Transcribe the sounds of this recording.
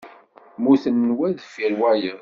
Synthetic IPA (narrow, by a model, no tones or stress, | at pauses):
muθənːwæðfiɾwæjəð